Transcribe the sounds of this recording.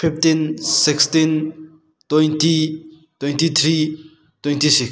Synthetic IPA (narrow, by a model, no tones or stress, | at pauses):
pʰipʰtinsikstin | twejnti | twejntit̪ʰɾi | twejntisiks